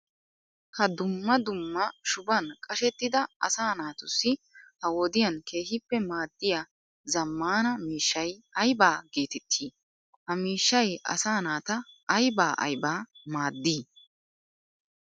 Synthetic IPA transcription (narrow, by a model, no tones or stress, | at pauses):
hɐd̪ʊmːɐd̪ʊmːɐʃʊbɐnkʼɐʃɛt̪ːɪd̪ɐɐ̰saːnaːt̪ʊsːɪ | hɐwɔd̪ɪjɐnkʰe̞ːhɪpːɛmaːd̪ːɪja | zɐmːaːnɐmiːʃːɐjɐjbaːɡeːt̪ɛt̪ʰːiː | hɐmiːʃːɐjʔɐ̰saːnaːt̪ɐʔːjbaːʔɐ̰jbaːmaːd̪ːiː